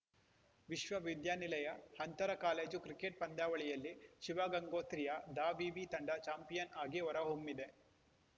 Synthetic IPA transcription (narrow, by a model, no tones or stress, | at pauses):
ʋiʃʋɐʋid̪jaːnilɐjɐhɐnt̪ɐɾɐkaːleːd͡ʒukɾikeʈ̚pɐnd̪aːʋɐɭijɐlːiʃiʋaɡɐŋɡoːt̪ɾijɐd̪aːʋiʋit̪ɐɳɖɐt͡ʃaːmpijɐnaːɡiɔɾɐɦomːid̪e̞